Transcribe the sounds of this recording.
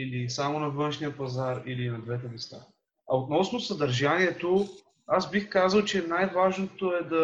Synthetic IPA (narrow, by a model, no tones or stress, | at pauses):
ilisamonɐvɤnʃnijəpɐzaɾilinɐd̪vɛt̪ɛmɛst̪a̰ | ɐot̪nɔsnosɐd̪ɐɾʒaniɛt̪o | azbixkazəlˠt͡ʃɛnajvaʒnot̪oɛd̪ɐ